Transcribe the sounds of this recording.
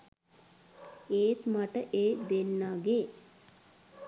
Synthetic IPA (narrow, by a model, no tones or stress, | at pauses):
eːt̪maʈəʔeːd̪enːaːɡeː